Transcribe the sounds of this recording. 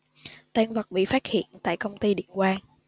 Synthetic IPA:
t̪aː˧nvə˨˩t̚ɓḭ˧˨faː˦˥t̚hḭ˧˨ənt̪a̰ː˧˨jkə˧wŋ͡mt̪i˧ɗḭ˧˨ənkwaː˧ŋ

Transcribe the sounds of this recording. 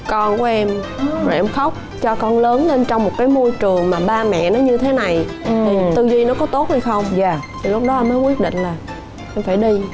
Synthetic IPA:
kɔ˧nku˧˨˦ʔɛ˧mzo˨˩jʔɛ˧mxə˦˥wk͡p̚ | t͡ɕɔ˧kɔ˧nləː˨˦nle˧nt͡ɕɔ˧wŋ͡mmo˨˩t̚kaː˨˦jmo˧jt͡ɕɨ˨˩ə˩ŋmaː˨˩ɓaː˧mɛ̰˧˨nɔ˨˦ɲɨ˧t̪ʰe˨˦na˨˩jt̪ʰi˨˩t̪ɨ˧zi˧nɔ˨˦kɔ˨˦t̪o˦˥t̚ha˨˧jxə˧wŋ͡mt̪ʰi˨˩lʊ˦˥k͡p̚ɗɔ˨˦ʔɛ˧mːə˨˦jkwi˦˥ət̚ɗḭ̈˧˨ŋ̟laː˨˩ | ʔɛ˧mfaː˧˩jɗi˧

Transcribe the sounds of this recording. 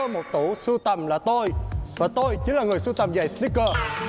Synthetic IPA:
ə˧mo˨˩t̚t̪ṵ˧˩˦su˧t̪ə˨˩mlaː˨˩t̪o˧jvaː˨˩t̪o˧jt͡ɕɨ˨˦ŋlaː˨˩ŋɨ˨˩əjsu˧t̪ə˨˩mzaː˨˩jsli˦˥kːəː˧

